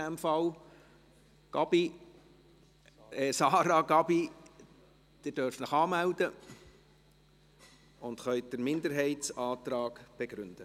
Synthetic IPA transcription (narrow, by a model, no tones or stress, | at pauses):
æmfɑl | ɡ̥ɑb̥i | ɛsɑːɾɑɡɑbi | d̪̥ɪdøɾfnəχɑːmæld̪ə | ʊnd̪χœʏd̥əɾmɪnd̪əɾɦɛɪtsɑːt̪ɾɑːɡ̥b̥eɡ̥ɾʏnd̥ə